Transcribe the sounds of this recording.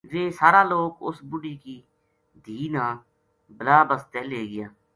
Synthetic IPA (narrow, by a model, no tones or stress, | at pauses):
ʋeːsaːɾaːloːkʊ̰sbʊɖiːkiː | d̪ʱiːnãː | bəlaːbəst̪eːleːɡɪjaː